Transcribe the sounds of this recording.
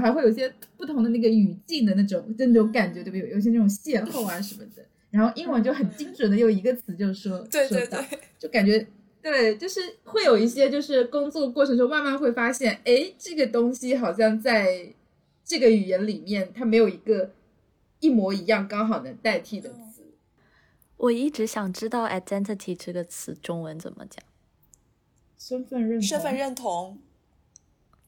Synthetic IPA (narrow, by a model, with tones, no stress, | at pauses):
xa˧˥xe˥˩jo˨˩i˥ɕjɛ˥ | pu˥˩t̪ʰʊ˧˥ŋd̪ə˧na˥˩ɡə˩y˨˩t͡ɕi˥˩ŋd̪ə˩na˥˩ʈ͡ʂʊ˨˩˦ŋʈ͡ʂə˥nə˨˩jo˥˩ʊka˨˩nt͡ɕɥɛ˧˥˧jo˨˩˥ɕ̬ɛ˥a˥˩ʈ͡ʂʊ˨˩ŋɕjɛ˥˧nxo˥˩ʊa˧˥ʂə˧˥nmə˧d̪ə˩ | ɻa˧˥nxo˥˧ʊʔi˥ŋwə˥t͡ɕjo˥˩ʊxə˨˩nt͡ɕi˥ŋʈ͡ʂʰwə˨˩nd̪ə˦˥jo˥˩ʊi˧˥ɡə˧t͡sʰɹ̩˧˥t͡ɕjo˥˧ʊ˥˩wɔ˥t̪wʂwɔ˥˧˥t͡ɕjo˥˩ʊka˨˩nt͡ɕɥɛ˧˥ | t̪we˥˩ɪt͡ɕjo˥˧ʊʂɻ̩˥˩xwe˥˩jo˨˩ʊi˥˩ɕjɛ˥t͡ɕjo˥˧ʊʂɻ̩˥˩kʊ˥ŋt͡swɔ˥˩ə˧kwɔ˥˩ʈ͡ʂʰɤ˧˥ŋʂo˥ma˥˧ma˥˧nxwe˥˩ɪfa˥ɕjɛ˥˩ne˥˩ɪʈ͡ʂɤ˥˩ɡə˩t̪ʊ˥ŋɕi˨xɑ˨˩ʊɕ̬jɑ˥˧ŋt͡sa˥˧ɪ | ʈ͡ʂɤ˥˩ɡə˩y˨˩jɛ˧˥nli˨˩mjɛ˥˩nt̪ʰa˥me˧˥ɪjo˨˩ʊi˧˥ɡə˧ | i˥˩mwɔ˧˥i˧˥jɑ˥˩ŋkɑ˥ŋxɑ˨˩ʊd̪ə˦t̪a˥˧ɪt̪ʰi˥˩d̪ə˩t͡sʰɹ̩˧˩˦ | wʔɔ˨˩i˥˩ʈ͡ʂɻ̩˧˥ɕjɑ˨˩ŋʈ͡ʂɻ̩˥t̪ɑ˥˩ʊʔa̰˥˩t͡sɛ˥nt̪ʰə˥˩t̪ʰi˨˥˩ʈ͡ʂɤ˥˩ɡə˩t͡sʰɹ̩˧˩ʈ͡ʂʊ˥ŋwə˧˥nt͡sə̰˨˩nmə̰˦t͡ɕjɑ̰˨˩˦ŋ | ʂə˥nfə˥˧nɻə˥˩ʂə˥nfə˥˧nɻə˥˩nt̪ʰʊ˧˥˦ŋ